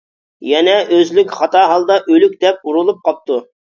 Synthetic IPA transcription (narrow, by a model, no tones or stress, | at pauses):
jɛnɛʔøzlykʲχɑt̪ɑɦɑlˠd̪ɑʔølyk̚ʲd̪ɛp̚uɾulˠup̚qʰɑp̚t̪ʰu